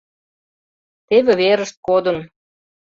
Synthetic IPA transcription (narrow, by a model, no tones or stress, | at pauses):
t̪eβeβeɾəʃt̪̚kod̪ə̆n